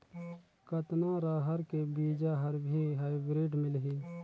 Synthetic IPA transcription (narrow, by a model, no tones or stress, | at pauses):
kət̪naɾaːɦəɾkebiːd͡ʒaɦɐɾbʱiɦaːɪbɾeːɖmɪlɦiː